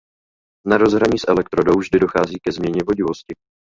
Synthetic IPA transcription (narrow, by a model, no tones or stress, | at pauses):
naɾo̞zɦɾaɲiːsʔɛlɛk̚t̪ɾodowvʒdɪdo̞xaːziːkɛzmɲɛɲɛvo̞ɟɪvo̞scɪ